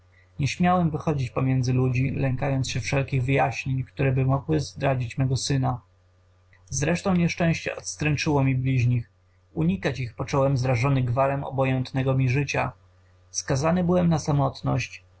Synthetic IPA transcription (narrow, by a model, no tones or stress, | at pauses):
ɲɛɕmʲjawɛmvɘxɔd͡ʑit͡ɕpɔmʲjɛnd̪zɘlud͡ʑilɛŋkajɔnt̪sɕɛfʂɛlkʲiɣvɘjaɕɲeɲkt̪uɾɛbɘmɔɡwɘzd̪ɾad͡ʑit͡ɕmɛɡɔsɘna | zɾɛʂt̪ɔ̃w̃ɲɛʂt͡ʂɛ̃w̃ɕt͡ɕɛ̰ɔt̪st̪ɾɛnt͡ʂɘwɔmʲiblʲiʑɲix | uɲikat͡ɕixpɔt͡ʂɔwɛmzɾaʐɔnɘɡvaɾɛmɔ̰bɔjɛnt̪nɛɡɔmʲiʐɘt͡ɕa | skazanɘbɘwɛmnasamɔt̪nɔ̰ɕt͡ɕ